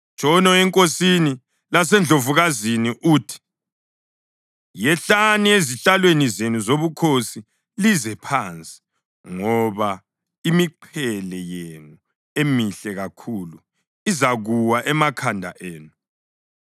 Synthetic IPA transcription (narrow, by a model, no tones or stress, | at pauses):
t͡ʃʼɔnɔɛŋkʼosini | las̬ɛnd͡ɮʱovuɣaziniʔuːtʰi̥ | jɛɬanieziɬalwenizenuzoβukʰosi | lizɛpʰant͡sʼi̥ | ŋɔβa | imiǃʰɛlɛjenu | emiɬɛɣakʰulu | izaɣuwaʔɛmakʰandʱa̰ʔeːnu